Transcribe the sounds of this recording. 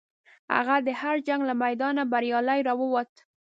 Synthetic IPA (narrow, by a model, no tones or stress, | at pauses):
ha̰ɣad̪əhaɾd͡ʒaŋɡlamajd̪ɑnabaɾjɑlajɾɑwəwat̪